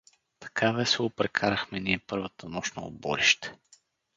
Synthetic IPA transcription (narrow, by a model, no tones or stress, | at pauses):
t̪ɐ̥kʰavɛsɛopɾɛkʰaɾɐxmɛniɛpɤɾvət̪ənɔʃnəo̰bɔ̰ɾiʃt̪ɛ̥